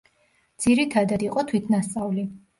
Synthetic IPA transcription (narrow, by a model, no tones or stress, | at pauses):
d̪z̥iɾit̪ʰad̪ad̪iqʼɔt̪ʰwit̪ʰnast̪sʼavli